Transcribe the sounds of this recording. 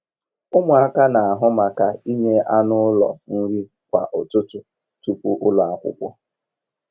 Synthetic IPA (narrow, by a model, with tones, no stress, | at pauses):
ʊ˦mʊ˨a˦ka˦na˨a˨ɦʊ˦ma˨ka˦i˦ɲe˦ʔa˦nʊ˦lɔ̰˨n̩˦ɾi˦ | kʷa˨ʔʊ˨tʊ˦tʊ˨ | tu˦kʷu˦ʔʊ˦la˨kʷʊ̰˦kʷɔ˦